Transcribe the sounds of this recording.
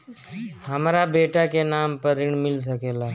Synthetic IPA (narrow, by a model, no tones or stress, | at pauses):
həmɾabeːʈakenaːmpəɾɪɳmɪls̬əkeːlaː